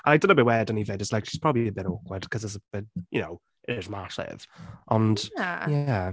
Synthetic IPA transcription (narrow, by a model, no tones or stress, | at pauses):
ʔəaɪdɪnoʊbɪwɛdə̃nivɪdɪslaɪkʃispʰɹ̥ɔbəbliəbɪɾoːˑkwəd̥kʰʌzɪtsəb̥ɪtjənoʊ | ʔɪzmasɪ̰v̥ʔə̃najæ